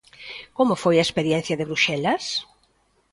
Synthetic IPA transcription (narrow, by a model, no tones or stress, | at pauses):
komofojɐespeɾjɛn̟θjɐðeβɾuʃɛlɐs